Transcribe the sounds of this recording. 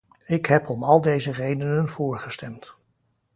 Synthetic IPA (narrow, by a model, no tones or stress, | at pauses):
ɪkɦɛpɔmɑlˠdejzərejdənənv̥ʊːɹχəstɛmt